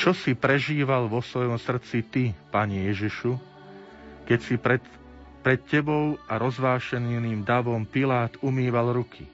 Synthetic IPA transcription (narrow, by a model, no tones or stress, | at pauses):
t͡ʃɔsipɾɛʒiːʋalʋɔsʋɔjɔmsr̩t͡sit̪ipaːɲijɛʒiʃu | kɛcsipɾɛ | pɾɛt̪̚cɛbɔʊaɾɔzʋaːʃɛnniːmd̪aʋɔmpilaːt̪umiːʋalɾukʰi